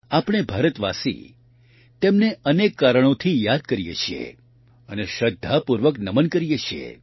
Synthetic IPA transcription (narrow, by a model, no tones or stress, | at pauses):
apɽ̃ebʱaɾət̪ʋasḭ | t̪emneənekːaɾəɽ̃ot̪ʰijad̪̚kəɾijḛt͡ʃʰijḛ | əneʃəd̪ʱːapuɾʋəknəmənkəɾijet͡ʃʰiḛ